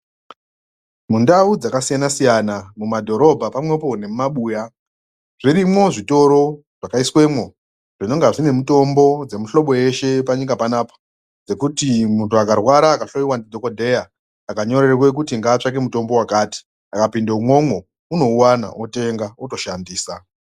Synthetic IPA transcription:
mundaud͡zakasijanasijanamumadʱo̞ɾo̞bʱapamwe̞po̞ne̞mumaɓuːja | ʐ̥iɾimo̞ʐito̞ɾo̞ | ʐ̥akaiswe̞mwo̞ | ʐ̥ino̞ŋɡaʐine̞muto̞mbo̞d͡ze̞muɬo̞ɓo̞e̞ʃe̞paɲikapanaːpḁ | d͡ze̞kutimuntuakarwaɾaːkaɬoiwandidʱo̞kodʱe̞jaː | kaɲo̞re̞rwe̞k̬utiŋɡaːt͡ʂak̬emuto̞mbo̞wakati̥ | akapindeumwo̞mwo̞ | uno̞uwana̰ʔote̞ŋɡauto̞ʃandiːsa

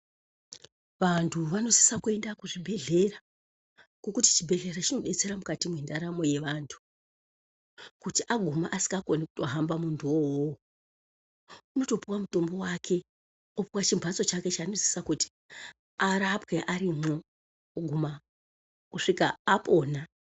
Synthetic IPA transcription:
ʋantʰuʋano̞si̥sakue̞ndakuʐibʱe̞ɮe̞ra | ɡ̥okuti̥t͡ʃibʱe̞ɮe̞rat͡ʃino̞ɗet͡se̞ɾamukatimwindaɾamo̞je̞ʋaːntʰu̥ | kutiʔaɡʱumaʔasi̥ŋɡako̞niku̥to̞ɦambamuntʰuwowo | uno̞to̞piwamuto̞mbo̞wakʰe̞ | opiwat͡ʃimbʱwat͡so̞t͡ʃake̞t͡ʃaːno̞si̥sakuti̥ | aɾapwe̞ʔaɾimo̞ | ɡʱuma | kuʂikaːpo̞ːna

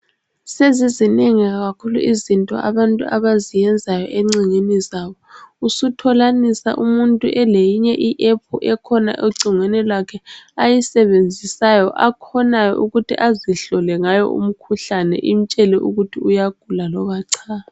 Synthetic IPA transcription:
sezizineŋiɣaɣakʰulṵʔizintʼɔ̰ʔaβantʼṵʔaβazijɛnd͡zʱajɔ̰ʔeŋ͡ǀiŋenizaːβɔusutʰɔlanisa̰ʔumuntʼuʔɛlejiɲɛʔiʔɛpʰuʔɛkʰɔna̰ʔoǀʱiŋwɛnɛlwakʰɛajisɛβend͡zʱisajɔʔakʰɔnajɔ̰ʔuɣutʰiʔaziɬɔlɛŋajɔ̰ṵm̩kʰuɬanɛ̰ʔim̩t͡ʃʼɛlɛʔuɣutʰiujaɡ̥ʱulalɔɣaǀʰaːla

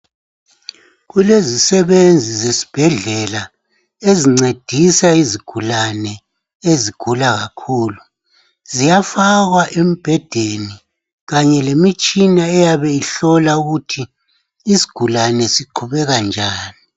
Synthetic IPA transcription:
ɣulezisɛβend͡zʱizesi̥b̥ʱɛɮɛla | eziŋ͡ǀed̥ʱisaiziɡ̥ʱulanɛ | eziɡ̥ʱulaɣakʰuːlu | zijafaɣwaʔem̩b̥ʱɛd̥ʱeni | ɣaɲɛlemit͡ʃʼinaɛjaβɛiɬɔlauɣutʰiː | si̥ɡ̥ʱulanɛsiǃʰuβɛɣand͡ʒʱaːni

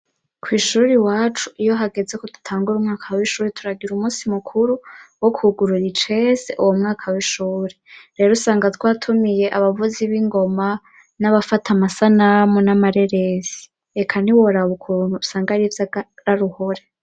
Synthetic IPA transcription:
kʰwiːʃuːɾiwaːt͡ʃuʔijo̞ɦaɡe̞ze̞kodu̥tʰaːŋɡuɾumŋaːkʰawiʃuːɾetʰuɾaɡiɾumuːsimukʰuɾuwokːɡuɾuɾit͡ʃe̞zeʔuwomŋaːkʰawiʃuːɾe̥ɾe̞ːɾosaːŋɡatwaːtʰumije̞ʔaβavuziβiŋɡo̞ma | naβafatʰamasanamunamaɾe̞ɾezi̥ | ekʰaniwoɾaβukʰuɾunhuusaːŋɡaɾivjaɾaɾuho̞ɾe

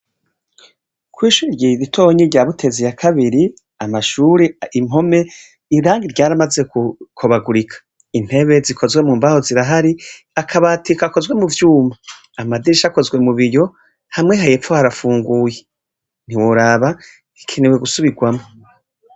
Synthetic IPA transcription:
kʰwiːʃuɾiɾɟiɾitʰo̞ɲiɾɟaːβutʰe̞zijakʰaβiɾi | amaʃuːɾeim̥o̞me̞ | iɾaːŋɡiɾɟaːɾamaze̞kkʰuβaɡuɾikʰḁ | in̥he̞βe̞zikʰo̞zwe̞muːmbaho̞ziɾaɦaɾi | akʰaβatikako̞zɡwe̞muvjuːmaː | madiɾʃako̞zwe̞muβiɾjo̞ | hamŋeɦaje̞pfohaɾafuːŋɡuːje | n̥iwoɾaːβa | i̥kʰenewe̞ɡusuβiɡwamo

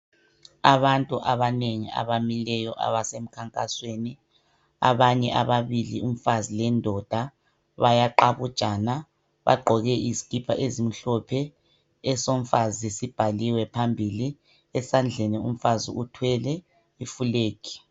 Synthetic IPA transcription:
aβantʼuʔaβaneŋia̰βamilɛjɔʔa̰βasem̩kʰaŋkʼasweni | a̰βaɲɛʔaβaβilḭum̩fazilɛndʱɔd̥ʱa | βajaǃaβud̥ʒ̥ʱʼana | βa̰ɡ͡ǃʱɔɣɛʔizi̥kʼipʰaʔezim̩ɬɔpʰɛ | ɛsom̩fazisib̥ʱaliwɛpʰambʱili | ɛsand͡ɮʱɛnɛum̩fazḭutʰwɛlɛ | ifuleːkʰi̥

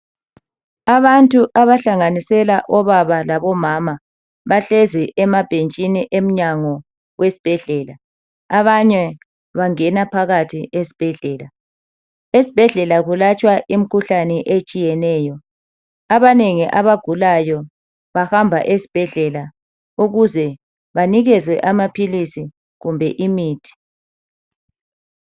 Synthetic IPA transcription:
aβantʼuʔaβaɬaŋanisɛlaʔɔβaβalaβɔmama | βaɬeziʔɛmab̥ʱent͡ʃʼiniʔem̩ɲaŋɔ | wesi̥b̥ʱɛɮɛːla | aβaɲɛ | βaŋɛnapʰaɣatʰiʔesi̥b̥ʱɛɮɛːla | esi̥b̥ʱɛɮɛlaɣulat͡ʃʼwaʔim̩kʰuɬanɛʔet͡ʃʼijɛnɛːjɔ | aβaneŋiʔaβaɡ̥ʱulajɔ | βahambʱa̰ʔesi̥b̥ʱɛɮɛla | uɣuzɛ | βaniɣɛzwɛ̰ʔamapʰilisi | ɣumbʱɛʔimiːtʰi̥

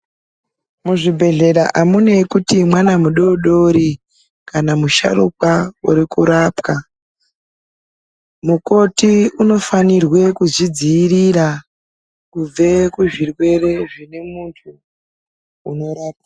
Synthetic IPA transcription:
muʐibʱe̞ɮe̞ɾaʔamunekutimwanamuɗoɗoɾi | kanamuʃa̰rṵkwauɾikuɾapka | muko̞tiuno̞fanirwe̞kuzid͡ziːriɾa | kub͡ve̞kuʐirwe̞re̞ʐine̞muntʰu | uno̞ɾaːp̚a

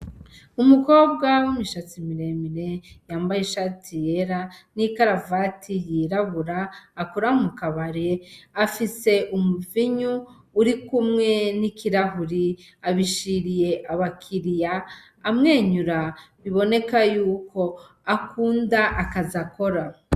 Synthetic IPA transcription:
umuko̞ːbɡawimiʃat͡simiɾe̞miɾe̞jaːmbajeʃatʰijeɾanikaɾavatʰijiɾaβuɾaːkuɾaumukaβaɾe̞afise̞ʔumuviɲuː | ɾikumŋe̞nikiɾaɦuɾi | aβiʃiɾije̞ʔaβakʰiɾijaː | mŋe̞ːɲuɾa | βiβo̞ne̞kajuːko̞ | akuːndaʔakazako̞ɾa

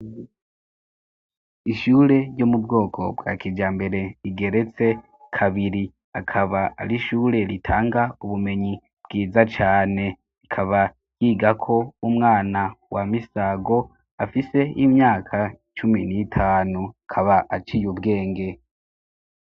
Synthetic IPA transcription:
iʃuːɾe̞jo̞mubɡo̞ːkʰo̞̰bɡa̰ːkid͡ʒaːmbe̞ɾe̞iɡe̞ɾe̞t͡se̞ | kʰaβiɾi | akʰaβaa̰ɾiʃuːɾe̞ɾitʰaːŋɡauβume̞ɲi | b̥ɡ̥iːzat͡ʃaːne̞ | ikʰaβa | jiːɡakʰo̞umŋaːnawamisaɡo̞ | afise̞imɲaːkʰa | t͡ʃuminitʰaːnuakʰaβaʔat͡ʃijubɡe̞ːŋɡe̞

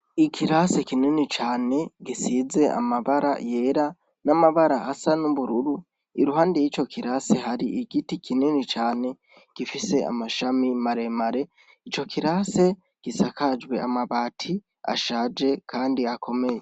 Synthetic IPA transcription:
ikʰiɾase̞kininit͡ʃaːne̞ɡisize̞a̰maβaɾa̰je̞ːɾa | namaβaɾaʔasanuβuɾuɾu | iɾuɦaːndijit͡ʃo̞kʰiɾase̞ɦaɾiʔiɡ̥itikʰininit͡ʃaːne̞ | ɡ̥ifise̞a̰maʃamimaɾe̞maɾe̞ | it͡ʃo̞kʰiɾase̞ | ɡ̥isakad͡ʒwe̞a̰maβaːtʰi | a̰ʃaːd͡ʒe̞kʰaːndiakʰo̞me̞je̞

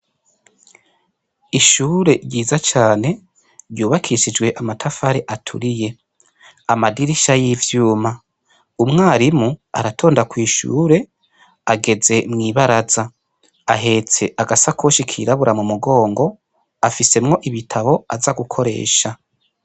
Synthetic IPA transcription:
iʃuːɾe̞ɾɟiːzat͡ʃaːne̞ | ɾjuːβakʰiʃid͡ʒɡwe̞ʔamatʰafaɾeʔatʰṵɾije̞ | amadiɾiʃajivjuːma | umŋaːɾimua̰ɾatʰo̞ːndakwiːʃṵːɾe̞ | aɡe̞ze̞mŋiːβaɾaza | aɦe̞t͡se̞ʔaɡasakʰoʃikʰḭɾaβuɾamumuɡo̞ːŋɡo̞ | afise̞mŋo̞ʔiβitʰaβo̞azaɡukʰo̞ɾe̞̰ːʃa

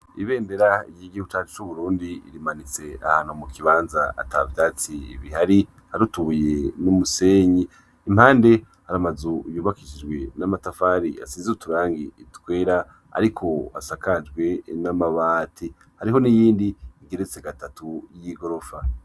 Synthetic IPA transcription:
iβe̞ːnde̞ɾaḭɡihiɡihuɡut͡ʃat͡ʃi̥t͡ʃuβuɾuːndiḭɾimanit͡se̞a̰haːn̥humukʰiβaːnzaa̰tavjaːt͡siḭβihaɾi | haɾutuβuje̞numuse̞ːɲiː | m̥haːnde̞ | haɾamazujuːβakiʃid͡ʒɡwe̞namatafaːɾḭa̰siːnzutuɾaːŋɡiitwe̞ːɾa | a̰ɾikʰo̞a̰sakad͡ʒɡwe̞namaβaːtʰi | haɾiɦo̞nijiːndiiɡe̞ɾet͡seɡatatujiɡo̞ɾo̞fa

